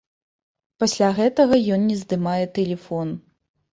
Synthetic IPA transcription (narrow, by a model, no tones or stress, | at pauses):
pɐsʲlʲaɣɛt̪ɐɣɐjɔnnʲɛzd̪ɨmajɛt̪ɛlʲɛfɔn